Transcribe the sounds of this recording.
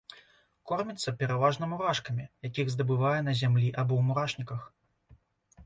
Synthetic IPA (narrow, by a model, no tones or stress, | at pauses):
kɔrmʲit̪sːɐpʲɛɾavaʐnɐmuɾaʂkɐmʲijakʲiɣzd̪ɐbɨvajɛnɐzʲamlʲiʔabɔwmuɾaʂnʲikɐx